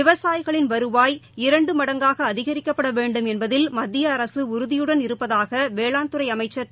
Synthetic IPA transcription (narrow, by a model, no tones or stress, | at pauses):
ɪʋɐsaːjɣɐɭɪnʋɐɾɯʋaːjɪɾɐɳɖɯmɐɽɐŋɡaːɣɐːðɪɣɐɾɪkːɐpːɐɽɐʋeːɳɖɯmɛnbɐðɪlmɐd̪ːɪjɐːɾɐsɯʊɾɯðɪjɯɽɐnɪɾɯpːɐðaːɣɐʋeːɭaːnt̪ɯɾɐɪɐmɐɪt͡ʃːɐɾ